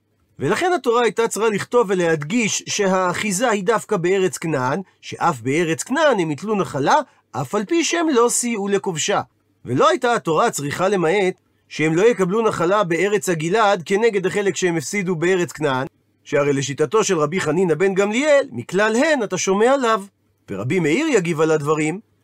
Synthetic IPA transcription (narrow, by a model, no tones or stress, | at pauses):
ve̞laχe̞nhat̪o̞ʁaːjtat͡sʁaliχt̪o̞vːe̞le̞ɦad̪ɡiʃʃe̞ɦaːχizahidafkabeeʁe̞t͡sknan | ʃe̞̰ʔafbee̞ʁe̞t͡sknanhe̞mit̪lunaχala | ʔafalpiʃehemlo̞siule̞ko̞vʃa | velo̞ajtaato̞ʁat͡sʁiχale̞mae̞t̪ | ʃehemlo̞jekablunaχalabe̞e̞ʁet͡shaɡilad̪ke̞ne̞ɡe̞d̪aχe̞le̞kʃeemefsidubeeʁet͡sknan | ʃeaʁejleʃitato̞ʃe̞lʁabiχaninabe̞nɡamlielmiklalɦe̞nataʃo̞me̞alav | veʁa̰bimeiʁjaɡivaladvaʁim